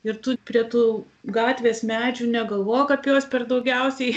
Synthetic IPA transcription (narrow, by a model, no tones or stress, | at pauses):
ɪɾt̪ʊpʲɾʲiɛt̪uː | ɡɑːt̪ʲʋʲeːsmʲæːd͡ʒʲuːnʲɛɡɐlˠʋoːjkɐpʲjoːspʲɛrd̪ɐʊɡʲɛʊsʲɛɪ